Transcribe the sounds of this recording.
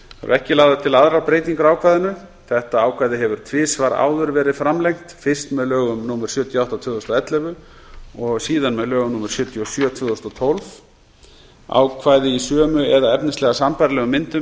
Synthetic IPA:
fa̰ɾ̰ɛhcɪlaːwðaðt̪ʰɪlaðɾawpɾeːjt̪iŋkʏɾaːwkʰvajðʏnʏ | θɛht̪aaːwkʰvajðɪɦɛvʏɾ̥t̪ʰvɪːsvaɾa̰ːwðʏɾvɛːɾɪfɾamlejŋ̥t̪fɪr̥st̪mɛðlœːɣʏmnumɛɾ̥sjœːt̪ʰjɔawht̪awt̪ʰvʏːðɔst̪aɛt̪lɛvʏ | ɔɣsiːðanmɛðlœːɣʏmnumɛɾ̥sjœːt̪ʰjɔsjœːt̪ʰvʏːðɔst̪ɔt̪ʰɔlv | a̰wkʰvaːjðɪisœːmʏɛðaɛpnɪst̪lɛɣasampajɾlɛɣʏmɪnt̪ʏ

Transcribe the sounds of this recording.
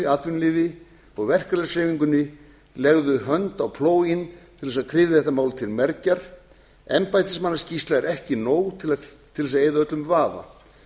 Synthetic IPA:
aːt̪vʏnlɪːðɪ | ɔɣvɛr̥kaɾlɛseviŋkʏnːɪ | lɛɣðʏɦœnt̪awpʰloːwjɪnt̪ʰɪlðɛsaðkʰɾɪːvðɪθɛht̪amaːwlt̪ʰɪlmɛɾcaɾ̥ | ɛmpajt̪ɪsmanːascist̪laɛɾɛhcɪnoːwɣt̪ʰɪlat̪ʰɪlɛsaðeːjðaœt̪lʏmvaːða̰

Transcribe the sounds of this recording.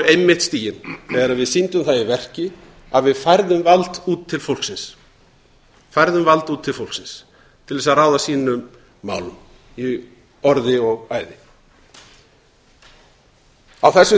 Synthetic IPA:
ejmːɪht̪st̪iːjɪnθɛːɣaɾaðvɪðsint̪ʏmθaðɪvɛr̥cɪ | aðvɪðfajɾðʏmvalt̪uːt̪ʰːɪlfowl̥ksɪns | fajɾðʏmvalt̪uːt̪ʰːɪlfowlksɪns | t̪ʰɪlðɛsarɾaːwðasiːnʏmː | a̰ːwlʏm | i | ɔɾðɪɔɣaːjðɪ | awθɛsːʏ

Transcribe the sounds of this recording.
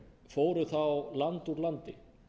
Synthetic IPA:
foːwɾʏθawlant̪uɾlant̪ɪ

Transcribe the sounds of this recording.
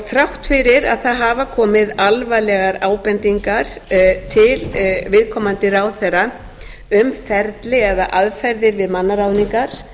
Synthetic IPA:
θɾawht̪fɪɾɪɾa̰ðθaðɦaːvakʰɔːmɪðalvajlɛɣaɾaːwpɛnt̪iŋkaɾ̥t̪ʰɪlvɪðkʰɔmant̪ɪɾawθɛrːa | ʏmfɛɾt̪lɪɛðaʔaðfɛɾðɪɾvɪðmanːaɾawðniŋkaɾ̥

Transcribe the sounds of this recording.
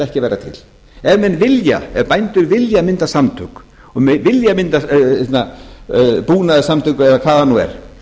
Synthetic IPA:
ɛhcɪvɛjɾat̪ʰɪ̰l̥ | ɛvmɛnvɪlja̰ɛvpajnt̪ʏɾvɪljamɪnt̪asamt̪ʰʏk | ɔvɪljamɪnt̪aɛt̪na | puːnaðɪsamt̪ʰʏkʏɛðakʰvaːðanuːɛ̰ɾ̥

